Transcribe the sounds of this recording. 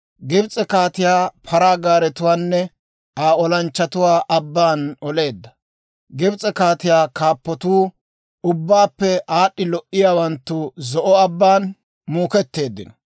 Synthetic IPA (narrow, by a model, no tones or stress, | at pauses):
ɡɪbt͡sʼɛkaːt̪ɪjaːpʰɐɾaːɡaːɾɛt̪ʊwaːnːɛ | aːɔlɐnt͡ʃːɐt̪ʊwaːʔɐbːaːnɔle̞ːd̪ːɐ̥ | ɡɪbt͡sʼɛkaːt̪ɪjaːkaːpːɔt̪uː | ʊbːaːpːɛʔaːɗːɪlɔʔɪjaːwɐnt̪ːʊzɔʔɔɐbːaːn | muːkɛt̪ːe̞ːd̪ːɪnɔ